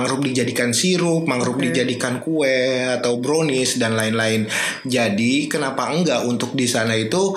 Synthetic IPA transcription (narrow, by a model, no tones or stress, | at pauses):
ŋəɾʊp̚did͡ʒadikansiɾʊp̚maŋəɾʊp̚did͡ʒadikankuɛat̪awbɾonɪsdanlaɪnlaɪn | d͡ʒadikənapaəŋɡaʔunt̪ʊk̚disanait̪u